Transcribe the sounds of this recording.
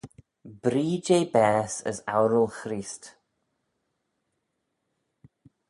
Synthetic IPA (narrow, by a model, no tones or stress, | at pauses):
b̥ɾiːd͡ʒejbɛːsə̰sa̰wɾəlˠxɾiːst